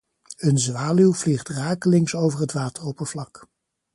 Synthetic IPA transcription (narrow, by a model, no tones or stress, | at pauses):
ənzʋaːlywvliχtraːkəlɪŋsowvərɦətʋaːtərowpəv̥lɑk